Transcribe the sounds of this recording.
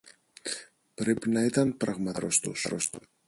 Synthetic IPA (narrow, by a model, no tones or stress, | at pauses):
pɾepinɐit̪ɐnpɾɐɣmɐɾost̪osɾost̪o